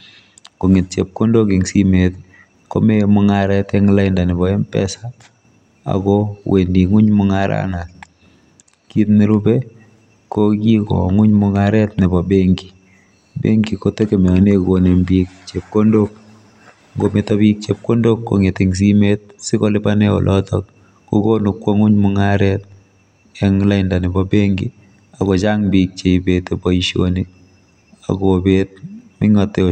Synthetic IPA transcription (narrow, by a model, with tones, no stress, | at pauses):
ko˨ŋɪ˨t̚t͡ʃep̚ko˦ndo˦kɪ˨ŋsi˦met̪ | ko̰˦me˦mʊ˦ŋaɾɛtɛŋla˦ɪnda˨nɪ˨bɔ˨e˦mpɛ̰˦sa | a̰˨ɡɔwe˨ndi˨ŋʊ˦ɲmʊŋaɾa̰na˨t | ki˦tni˦ɾu˦be˦ | koki˦kɔ̰˨ŋʊ˦ɲmʊŋaɾɛt̚nɪ˨bɔ˨beŋɡi˨ | bḛ˦ŋɡi˨ko˦te˦ke˨me˨a˨ne˦ko˨ne˨mbik̚t͡ʃep̚ko˦ndok̚ | ŋɡo˨metɔ˦bi˦k̚t͡ʃep̚ko˦ndo˦kːo̰˨ŋe˨ti˨ŋs̬i˦met̚sɪ˦ko˦lɪ˦pane˦o̰˨lʔɔtɔk̚ | ku˦ko˦nu˨kwɔ˦ŋʊ˦ɲmʊŋaɾɛt̚ | ɛ˦ŋla˦ɪnda˨nɪ˨bɔbe˦ŋɡḭ˦ | a˨ko˨t͡ʃa˦ŋbik̚t͡ʃe˨ibetebɔ˨iʃo̰ni | a̰˨ko˨bet̚mɪ˦ŋɔ˨te˨